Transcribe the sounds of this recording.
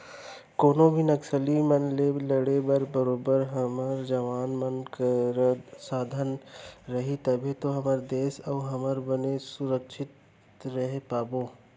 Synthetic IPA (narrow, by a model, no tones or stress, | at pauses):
koːnobʱinɐksəlimɐnleːlɐɽebɐɾbəɾoːbəɾɦɐməɾd͡ʒɐʋaːnmɐnkɾsaːd̪ʱənɾɐɦit̪ɐbʱit̪oɦɐməɾd̪eːsɐːɦɐməɾbɐnesʊɾəkʃʰɪt̪ | ɾɐɦepaːboː